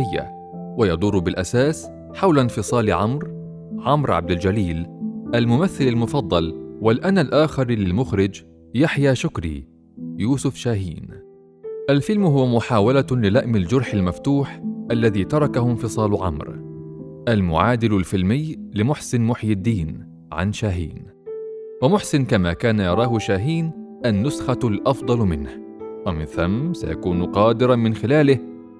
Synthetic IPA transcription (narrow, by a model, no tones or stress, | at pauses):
ɪjːa̰ | wajɑd̪ˤʊrˤːʊbɪlʔasaːs | ħawlanfɨsˤɑːlʕamɾ | ʕamɾʕa̰b̚d̪ɪld͡ʒaliːlʔalmʊmaθːɪlalmʊfɑd̪ˤːɑlwalʔanalʔaːxɪɾˤlɪlmʊxɾɪd͡ʒ | jaħjaːʃʊkɾḭː | juːsʊfʃaːɦiːn | ʔalfɪlmɦʊwamʊħaːwalalɪlaʔmɪld͡ʒʊɾˤħalmaft̪uːħʔalːaðiːt̪ɑɾˤɑkahʊmfɨsˤɑːlʕa̰mɾ | ʔalmʊʕaːd̪ɪlʊlfɪlmɪjlɪmʊħsɪnmʊħjɪd̪ːiːn | ʕa̰nʃaːɦḭːn | wamʊħsɪnkamaːkaːnajɑɾˤɑːhʊʃaːɦiːnʔanːʊsxalʔɑfd̪ˤɑlmɪnh | wamɪnθamːsa̰ja̰kuːnqɑːd̪ɪɾɑmɪnxɪlaːlɪh